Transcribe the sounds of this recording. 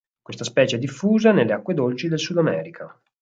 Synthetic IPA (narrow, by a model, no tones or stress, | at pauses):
kwest̪aspɛːt͡ʃeɛd̪ifːuːzanelːeakːwed̪olt͡ʃid̪elsud̪amɛːɾikʰa